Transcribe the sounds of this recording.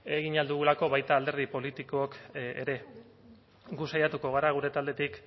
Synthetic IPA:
e̞ɣiɲald̪uɣulako̞βajt̪aːld̪e̞ɾð̞ipo̞lit̪iko̞okḛɾe̞ | ɡusajat̪uko̞ɣ̞aɾaɣ̞uɾe̞t̪ald̪e̞t̪ik

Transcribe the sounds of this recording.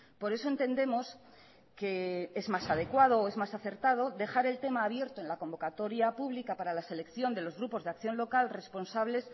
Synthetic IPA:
po̞ɾe̞so̞e̞nt̪e̞nd̪e̞mo̞s | ke̞ezmasað̞ekwað̞o̞ːe̞zmasaθe̞ɾt̪að̞o̞ðe̞xaɾe̞lt̪e̞maːβje̞ɾt̪oe̞nlako̞mbo̞kat̪o̞ɾjapuβ̞likapaɾalase̞le̞kθjo̞nd̪e̞lo̞zɣɾupo̞zðe̞akθjo̞nlo̞kalre̞spo̞nsaβle̞s

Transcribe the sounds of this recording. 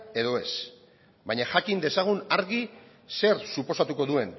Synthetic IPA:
e̞ðo̞e̞s | bajɲaxakind̪e̞saɣ̞unaɾɣi | se̞ɾsupo̞sat̪uko̞ðue̞n

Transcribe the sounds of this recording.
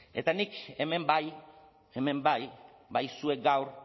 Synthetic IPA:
e̞̰t̪anikeme̞mbaj | eme̞mbaj | bajsue̞k̚ɡawr

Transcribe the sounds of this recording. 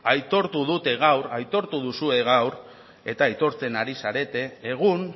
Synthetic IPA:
ajt̪o̞ɾt̪uð̞ut̪e̞ɣ̞awɾajt̪o̞ɾt̪uð̞usue̞ɣ̞awɾ | e̞t̪aːjt̪o̞ɾt͡se̞naɾisaɾe̞t̪e̞ːɣ̞un

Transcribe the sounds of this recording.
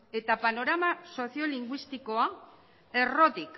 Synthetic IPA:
e̞t̪apano̞ɾamaso̞sio̞liŋɡwist̪iko̞a | e̞ro̞t̪ik

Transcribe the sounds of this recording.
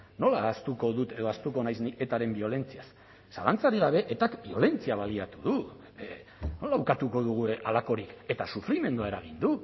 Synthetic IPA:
no̞laːst̪uko̞ðut̪e̞ðo̞ast̪uko̞najsnie̞t̪aɾe̞mbio̞le̞nt͡sias | salant͡saɾiɣ̞aβ̞e̞ʔet̪akbio̞le̞nt͡siaβaliat̪uðu | no̞lawkat̪uko̞ðuɣ̞ualako̞ɾike̞t̪asufɾime̞nd̪uaeɾaɣ̞ind̪u

